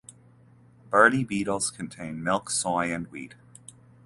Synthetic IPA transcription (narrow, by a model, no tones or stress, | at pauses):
b̥ɜ˞ɾibiɾl̩ˠz̥kʰɨ̃n̩tʰẽɪ̃nmɪlˠksɔɪɨ̃nwḭt̚